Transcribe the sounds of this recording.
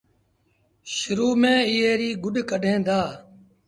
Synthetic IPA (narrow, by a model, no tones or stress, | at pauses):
ʃʊɾuːmẽːɪɦeːɾiːɡʊɗkəɖʱẽːd̪aː